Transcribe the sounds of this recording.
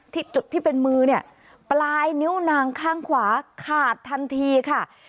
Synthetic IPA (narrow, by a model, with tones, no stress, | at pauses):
t̪ʰi˦˥t̚t͡ɕu˨˩t̪ʰːiː˥˩pe˧nmɯː˧ni˦˥˩ɐ | plaː˧jni˦˥wnaː˧ŋkʰaː˥˩ŋkʰwaː˩˦kʰaː˨˩t̪ʰːa˧nt̪ʰiː˧kʰa˥˩